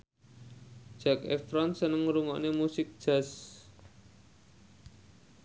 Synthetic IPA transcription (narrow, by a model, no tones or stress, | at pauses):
d̥ʒ̥a̤kefɾɔnsənəŋɾuŋɔ̰ʔnemusɪk̚d̥ʒ̥a̤s